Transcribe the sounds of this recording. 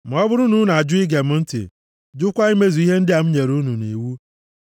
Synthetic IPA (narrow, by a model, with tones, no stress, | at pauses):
m̩˨ɔ˦bʊ˦ɾʊ˦nu˦na˨a˨d͡ʒʊ˦ɪ˦ɡe˨m̩˦n̩˦tɪ̰˨ | d͡ʒʊ˦kʷa˦i˦me˦zu˨i˦ɦe˦n̩˦dɪ˦a˨m̩˦ɲe˨ɾu˦nu˨nḛ˨wu˦